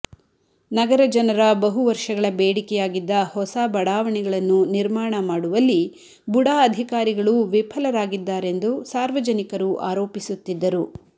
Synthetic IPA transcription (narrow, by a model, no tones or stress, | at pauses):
nɐɡɐɾɐd͡ʒɐnɐɾɐbɐɦuʋɐɾʂɐɡɐɭɐbeːɽikɛjaːɡid̪ːɐhɔsabɐɽaːʋɐɳɛɡɐɭɐnːuniɾmaːɳɐmaːɽuʋɐlːi | buɽaːɐd̪ʱikaːɾiɡɐɭuʋipʰɐlɐɾaːɡid̪ːaːɾe̞nd̪usaːɾʋɐd͡ʒɐnikɐɾuʔaːɾo̞ːpisut̪ːid̪ːɐɾu